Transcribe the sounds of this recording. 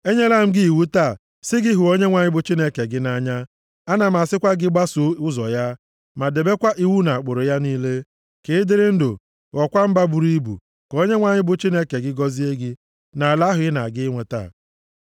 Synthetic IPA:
e˦ɲe˦la˦˨m̩˦ɡɪ˦i˨wu˦ta˦˨ | sɪ˦ɡɪ˦ɦu˨o˦ɲe˦ŋʷa˨ɲɪ˦bʊ˨t͡ʃi˦ne˦ke˨ɡɪ˦na˦ɲa˦ | a˦na˨m̩˨a˨sɪ˦kʷa˦ɡɪ˦ɡ͡ba˦sʊ˨ʊ˦zɔ˨ja˦ | ma˨de˨be˦kʷa˦ʔi˦wu˦na˨a˨k͡pʊ˨ɾʊ˨ja˦niː˦le˦ | ke˨˦dɪ˦ɾɪ˦n̩˦dʊ̰˨ | ɔ˨kʷa˦m̩˦ba˦bu˨ɾi˦bṵ˨ | ko˦ɲe˦ŋʷa˨ɲɪ˦bʊ˨t͡ʃi˦ne˦ke˨ɡɪ˦ɡɔ˦zi˦e˦ɡɪ˦ | na˨la˦ɦʊ˨ɪ˦na̰˨ɡɪ˦ɪ˦ŋʷe˨ta̰ː˦˨

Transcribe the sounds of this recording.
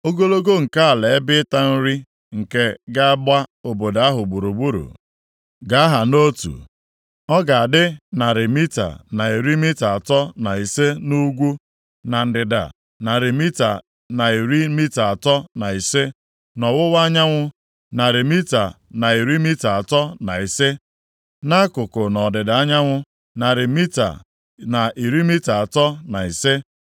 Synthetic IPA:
o˦ɡo˦lo˦ɡo˦ŋ̩˨ka˦a˨le˨˦bɪ˦ta˦n̩˦ɾi˦ | ŋ̩˨ke˦ɡa˦a˦bʷa˦o˨bo˨da˨a˦ɦʊ˨ɡ͡bu˨ɾu˨ɡ͡bu˦ɾṵ˨ | ɡa˦a˦ɦa˨no˦tṵ˨ | ɔ˦ɡa˨a˨dɪ˦na˨ɾɪ˨mi˦ta̰˨na˨i˨ɾi˦mi˦ta˨a˨tɔ˦na˨i˨se˦nu˦ɡʷu˦ | na˨n̩˨dɪ˨da̰˨ | na˨ɾi˨mi˦ta̰˨ | na˨i˨ɾi˦mi˦ta˨a˨tɔ˦na˨i˨se˦ | nɔ˨wʊ˦wa˦ɲa˦ŋʷʊ˦ | na˨ɾɪ˨mi˦ta̰˨na˨i˨ɾi˦mi˦ta˨a˨tɔ˦na˨i˨se˦ | na˦kʊ˨kʊ˨nɔ˨dɪ˨da˨a˦ɲa˦ŋʷʊ˦ | na˨ɾɪ˨mi˦ta̰˨ | na˨ʔi˨ɾi˦mi˦ta˨a˨tɔ˦na˨i˨se˦

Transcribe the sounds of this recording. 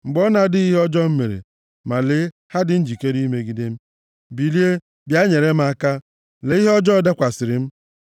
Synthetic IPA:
ŋ͡m̩˨ɡ͡bɔ˦na˦dɪ˦i˦ɦɔ˦d͡ʒɔ˦m̩˦mḛ˨ɾḛ˨ | ma˨le˦ | ha˦dɪ˨n̩˦d͡ʒi˨ke˦ɾi˦me˦ɡi˨de˦m̩˦ | bi˨li˦e˦ | bja˦ɲe˨ɾe˦m̩˦a˦ka˦ | le˦i˦ɦɔ˦d͡ʒɔ˦da˦kʷa˨sɪ˨ɾɪ˨m̩˦

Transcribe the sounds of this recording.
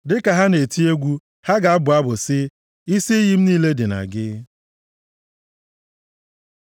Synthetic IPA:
dɪ˦ka˨ɦa˦ne˨ti˦e˦ɡʷu˦ | ha˦ɡa˨a˦bʊ˨a˦bʊ˨sɪ˦ | i˦si˦ji˦m̩˦niː˦le˦dɪ˨na̰˨ɡɪ˦

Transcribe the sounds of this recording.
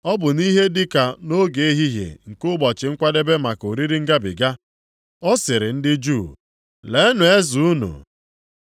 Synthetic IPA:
ɔ˦bʊ˨ni˦ɦe˦dɪ˦ka˨no˦ɡe˨˦e˦ɦi˦ɦjḛ˨ŋ̩˨kʊ˦ɡ͡bɔ˨t͡ʃɪ˨ŋ̩˦kʷa˦de˦be˦ma˨ko˨ɾi˦ɾi˦ŋ̩˦ɡa˦bɪ̰˨ɡa˦ | ɔ˦sɪ˨ɾɪ˨n̩˦dɪ˦d͡ʒuː˦˨ | le˨˦nʊ˨e˦zu˨u˦nṵ˨

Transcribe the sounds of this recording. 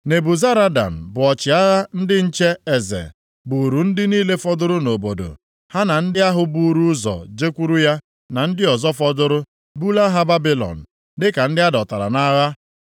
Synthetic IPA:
ne˨bu˨za˦ɾa˦da̰˨m̩˨bʊ˨ɔ˨t͡ʃɪ˨a˦ɣa˦n̩˦dɪ˦n̩˦t͡ʃe˦e˨zḛ˨ | bu˨ɾu˨n̩˦dɪ˦niː˦le˦fɔ˦dʊ˦ɾʊ˦no˨bo˨do̰˨ | ha˦na˨n̩˦dɪ˦a˦ɦʊ˦bu˦ɾu˦zɔ̰˨d͡ʒe˦kʷu˦ɾu˦ja˦ | na˨n̩˦dɪ˦ɔ˨zɔ˦fɔ˦dʊ˦ɾʊ˦ | bu˦la˦ɦa˦ba˦bi˦lɔ̰˨n̩˨ | dɪ˦ka˨n̩˦dɪ˦a˦dɔ˨ta˨ɾa̰˨na˦ɣa˦

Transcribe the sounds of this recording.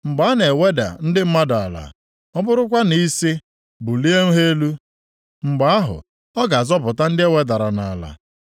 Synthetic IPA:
ŋ͡m̩˨ɡ͡ba˨˦ne˨we˦da̰˨n̩˦dɪ˦m̩˦ma˦da˨la̰˨ | ɔ˦bʊ˦ɾʊ˦kʷa˦ni˦si˦ | bʊ˨li˦e˦ŋ̩˦ɦe˦lu˦ | ŋ͡m̩˨ɡ͡ba˦a˦ɦʊ̰˨ | ɔ˦ɡa˨a˨zɔ˦p̬ʊ˨ta˦n̩˦dɪ˦e˦we˦da˨ɾa˨na˨la̰˨

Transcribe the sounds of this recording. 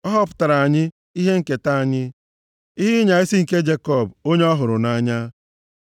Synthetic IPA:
ɔ˦ɦɔ˦pʊ̥˦ta˨ɾa˨a˨ɲɪ˦ | i˦ɦe˦ŋ̩˨ke˨ta˦a˨ɲɪ˦ | i˦ɦɪ˦ɲa˨i˦si˦ŋ̩˨ke˦d͡ʒe˦kɔ˦˨bo˦ɲe˦ɔ˦ɦʊ˨ɾʊ˨na˦ɲa˦

